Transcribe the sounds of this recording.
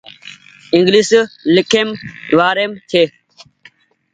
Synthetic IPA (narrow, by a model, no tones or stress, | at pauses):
ɪ̃ŋɡliːslɪkʰeːmʋaːɾeːmt̪ʰeː